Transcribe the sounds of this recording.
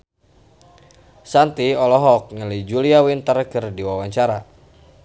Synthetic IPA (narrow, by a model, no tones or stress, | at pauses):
sant̪iɔlɔɦɔk̚ŋəlid͡ʒuliawint̪ərkɨrdiwawaɲt͡ʃaɾa